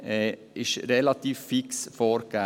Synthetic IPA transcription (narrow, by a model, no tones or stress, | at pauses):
ɛ | ɪʃɾɛlat̪iːfːiksfoːɾɡa